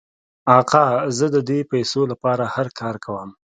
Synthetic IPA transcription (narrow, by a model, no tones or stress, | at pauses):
ɑqɑzəd̪əd̪epajsolapɑɾahaɾkʰɑɾkʰawəm